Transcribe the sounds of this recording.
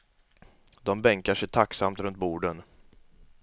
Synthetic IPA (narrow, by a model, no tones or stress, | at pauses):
d̪ɔmbɛŋkaʂɛjt̪ʰaksamt̪ɾɵnt̪̚buːɖən